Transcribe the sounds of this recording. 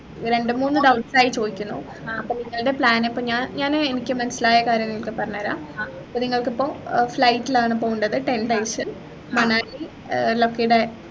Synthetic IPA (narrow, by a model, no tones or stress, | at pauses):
ɾe̞ɳɖɨmuːnːɨɖɐwʈsaːjit͡ɕoːðikʲːunːṵ | ɐpːoːniŋːɐɭɽe̞pɭaːnepːoːɲaːɲaːnenikʲːɨmɐnɐsilaːjɐkaːɾjɐmniŋːɐɭkɨpɐrɐɲːaːɾa̰ːɐpːoːniŋːɐɭkipːoːflɐjʈːilaːɳɨp̬oːɣuɳɖɐðɨʈe̞nɖɐjsɨ | mɐɳaːli | lokːejɽe